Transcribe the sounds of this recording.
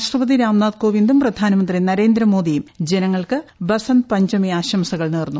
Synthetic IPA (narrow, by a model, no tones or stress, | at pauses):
ʂrɐʋɐðiɾaːmnaːd̪ko̞ːʋind̪umprɐd̪ʱaːnɐmɐnd̪rinɐɾe̞ːnd̪ɾɐmo̞ːd̪ijumd͡ʑenɐŋːɐɭkɨbɐsɐnpɐɲd͡ʑɐmijaːɕɐmsɐɣɐɭniːrnːu